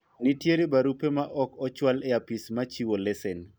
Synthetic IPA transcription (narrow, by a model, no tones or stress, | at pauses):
nitjeɾibaɾupemaʔɔkɔt͡ʃwalɛapismat͡ʃiwolɛsɛn